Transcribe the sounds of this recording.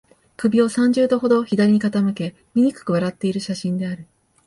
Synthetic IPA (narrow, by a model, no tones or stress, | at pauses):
kɯ̟bʲio̞sãɲ̟d͡ʑɨːd̪o̞ɦo̞d̪o̞çid̪aɾʲiɲ̟ikat̪amɯ̟ke̞ | mʲiɲ̟ikɯ̥kɯ̟β̞aɾat̪ːe̞iɾɯ̟ɕaɕĩnd̪e̞aɾɯ̟